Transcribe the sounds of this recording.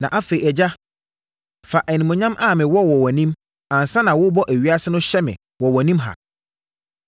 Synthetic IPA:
nã˨ʔa˦fe˨i˨ɛ˨d͡ʑa˦ | fa˨ʔɛ˨nĩ˨mɔ̃˨ɲã˦mʔa˦˨mɪ̃˨wɔ˦wɔ˨wɔ˨nĩ˦m | ã˨n˨sã˦nã˨wʊ˦bɔ˦ʔæ˨ɥi˦a˦sɪ˦nʊ̃˦ɕɛ˦mɪ̰̃˨ | wɔ˨wɔ˨nĩ˦mɦa̰˨

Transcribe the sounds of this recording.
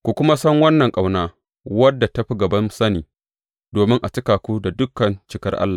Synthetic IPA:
kʷu˨kʷʊ˦ma˦sɐ˦ŋwɐ˦nːɐ˨ŋkʼa˨wnaː˦ | wɐ˦dːa˨tɐ˦ɸi˦ɡɐ˨bɐ˦nsɐ˦niː˨ | doː˨mɪ˦ŋʔa˨t͡ʃɪ˦kaː˨kʷu˦da˨dʊ˦kɐ˨nt͡ʃɪ˦kɐ˦rʔa̰˦lːaː˨

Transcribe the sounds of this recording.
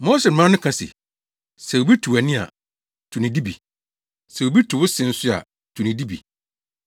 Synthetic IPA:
mo˦sɛ˨ã˦nʊ̃˦kʰã˨sɪ̰˨ | sɛ˨wo˨bi˦tʰu˨æ˨nĩ˦a̰˨ | tʰu˨nĩ˨di˦bḭ˨ | sɛ˨wo˨bi˦tʰu˨wʊ˦sɪ̃˨n̩˦sʊ˦a̰˨ | tʰu˨nĩ˨di˦bḭ˨

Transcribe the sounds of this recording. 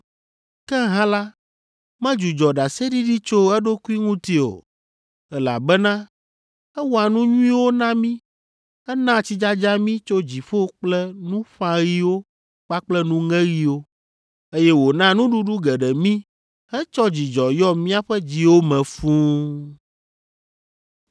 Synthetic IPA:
kɛ˦ɦã˦la˦ | mɛ̃˦d͡ʒu˨d͡ʒɔ˨ɖa˨se˦ɖi˦ɖi˦t͡ʃo˦ɛ˦ɖo˦ku˦i˦ŋũ˦t̪i˦o̰˨ | ɛ˦la̰˨bɛ˦nã˦ | ɛ˦wo˦a˨nũ˦ɲũ˦ĩ˦wo˦nã˦mĩ˦ | ɛ˦nã˦˨t͡ɕi˦d͡ʒa˦d͡ʒa˦mĩ˦t͡ʃo˦d͡ʑi˨ɸo˦k͡plɛ˦nũ˦ɸã˦ɣi˦wo˦ | k͡pa˦k͡plɛ˦nũ˦ŋɛ̃˦ɣi˦wo˦ | e˦jɛ˦wo˨nã˦nũ˦ɖu˦ɖu˦ɡɛ˨ɖɛ˨mĩ˦ | hɛ˦t͡ʃɔ˦d͡ʑi˨d͡ʒɔ˨jɔ˦mĩ˦a˦ɸɛ˦d͡ʑi˨wo˦mɛ̃˨fũ˦

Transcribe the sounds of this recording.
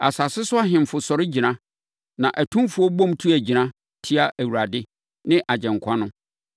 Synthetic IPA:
a̰˨sa˨sɪ˦sʊ˦a˦ɦɪ̃˨m˨fʊ˨sɔ˨ɾɪ˦d͡ʑi˨nã˦ | nã˨ʔæ˨tʰũ˦fu˨˦ɔ˦bɔ̃˦mtʰu˦æ˨d͡ʑi˨nã˦ | tʰi˦a˦ʔæ˨wu˨ɾa˨dɪ˦ | nɪ̃˦ʔa˨d͡ʑɛ̃˨ŋkʷʰã˦nʊ̃˦

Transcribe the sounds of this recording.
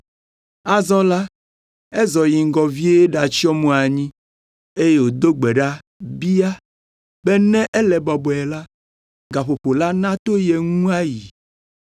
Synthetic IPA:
a˦zɔ̃˦la˦ | ɛ˦zɔ˨ji˨ŋ˦˨ɡɔ˨vi˦e˦e˦ɖa˨t͡ɕi˦ɔ˦mũ˦a˨ɲĩ˦ | e˦je˦wo˨d̪o˦ɡ͡be˨ɖa˦ | bi˦a˦ | bɛ˦nɛ̃˦ʔɛ˦lɛ˨bɔ˨bɔ˨ɛ˨la˦ | ɡa˨ɸo˨ɸo˨la˦nã˦t̪o˦je˨ŋũ˦a˦ji˨

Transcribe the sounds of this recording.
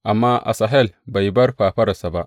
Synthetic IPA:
ʔa˨mːa˦ʔa̰˨sa˨ɦe˦lba˨ji˨ba˦ɾɸa˨ɸa˦ɾa˨sa˨ba˦

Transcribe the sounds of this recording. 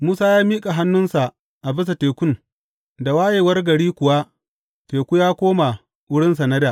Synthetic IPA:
muː˦saː˦jaː˦miː˦kʼa˨ɦa˦nːʊ˦nsa˨ | ʔa˨bɪ˦s̬a˨teː˨kʷʊ˦n | da˨waː˦jeː˨wɐ˦rɡɐ˨ɽiː˦kʷʊ˨wa˦ | teː˨kʷu˦jaː˦kʷoː˦ma˨ | wʊ˦ɽɪ˦ns̬a˨nɐ˦daː˨

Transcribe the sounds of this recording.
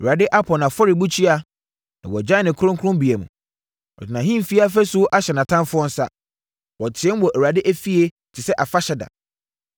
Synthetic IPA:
ɛ˨u˨ɾa˨dɪ˦ʔa˦pʰɔ˨nã˨fɔ˦ɾɪ˨bu˦t͡ɕʰi˦a˦ | nã˨wɔ˨d͡ʑã˦˨nɪ̃˨kʰʊ˦ɾʊ̃˦ŋkʰʊ˦ɾʊ̃˦mbi˨ɛ˨mũ˨ | ɔ̰˨dʰɪ˨nã˨ɦĩ˦m˨fi˦a˦fɛ˦sʊ˦ʔa˦ɕɛ˨nã˨tʰã˦mfʊ˦ɔ˦n̩˦sa̰˦ | wɔ˨tʰɪ˨ɛ̃˦n˦wɔ˨ʔæ˨u˨ɾa˨dɪ˦ʔæ˦fi˦e˦ | t͡ɕʰɪ˨sɛ˦ʔa˨fa˦ɕɛ˨da̰˨

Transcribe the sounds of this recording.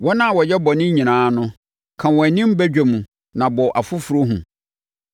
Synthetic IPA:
wɔ˦nã˦˨wɔ˨jɛ˦bɔ˨nɪ̃˦ɲĩ˨nãː˨˦nʊ̃˦ | kʰã˨wɔ˨æ˨nɪ̃˦m̩˦bɛ˦d͡ʑᶣæ˨mũ˨ | nã˨bɔ˨ʔa˨fʊ˦fu˨ɾo˦ɦṵ̃˨

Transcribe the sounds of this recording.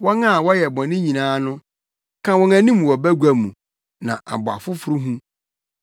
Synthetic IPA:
wɔ̃˦nã˦˨wɔ˦jɛ˨bɔ̃˨nɪ̃˦ɲĩ˨nãː˦nʊ̃˦ | kʰã˦wɔ̃˦næ̃˨nĩ˦m˨wɔ˨bæ˦ɡʷæ˨mũ˨ | nã˨ʔa̰˨bʊ˨a̰˨fʊ˦fʊ˦ɾʊ˦ɦũ˦

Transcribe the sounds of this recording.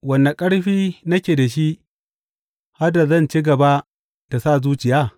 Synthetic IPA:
wɐ˨nːa˨kʼɐ˦ɽɸiː˦nɐ˦kʲeː˨da˨ʃ̬i˦ | ha˦rda˨zɐ˦˨nt͡ʃi˦ɡɐ˨ba˦ | ta˨sa˦˨zuː˦t͡ʃɪ˨jaː˦˨

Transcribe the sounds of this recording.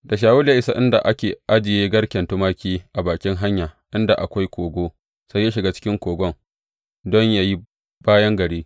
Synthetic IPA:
da˨ʃ̬aː˨wʊ˦la˦ʔɪ˦sa˦ʔɪ˦nda̰˨ʔa˦kʲeː˨ʔa˦d͡ʒɪ˨jeː˦ɡɐ˦ɽkʲɛ˨ntu˦maː˦kʲiː˦ʔa˨baː˨kʲɪ˦ŋɦa˦ɲjaː˨ʔɪ˦nda˨ʔa˨kʷa˦jkʷoː˨ɡʷoː˦ | sa˦jːa˦ʃɪ˨ɡaː˦t͡ʃɪ̥˦kʲɪ˦ŋkʷoː˨ɡʷɔ˦ŋ | dɔ˦ɲja˦ji˦ | b̥aː˦jɐ˦ŋɡɐ˨ɽiː˦

